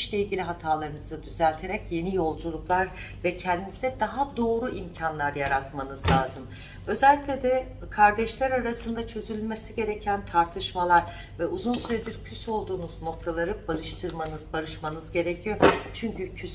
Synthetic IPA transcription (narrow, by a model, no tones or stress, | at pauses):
ʃlʲɛilʲɟilʲiɦat̪ʰaːlˠaɾɯnɯzɯd̪yzælʲt̪ʰe̞ɾɛcje̞nijo̞lˠd͡ʒulˠuklˠaɾ | vɛcʰɛnd̪inisɛd̪aɦad̪o̞ːɾuimcʰanlˠaɾjaɾat̪manɯzlʲˠaːzɯm | ø̞zɛlʲːicʲlʲed̪ɛ | kʰaɾd̪ɛʃlʲæɾaɾasɯnd̪at͡ʃʰø̞zylʲymesiɟe̞ɾecʰænt̪ʰaɾt̪ʰɯʃmalˠaɾ | vɛuzunsyɾɛd̪iɾcʰyso̞lˠd̪uːnuzno̞k̚t̪ʰalˠaɾɯbaɾɯʃt̪ʰɯɾmanɯzbaɾɯʃmanɯzɟe̞ɾɛcʰijot͡ʃʰyɲcycʰys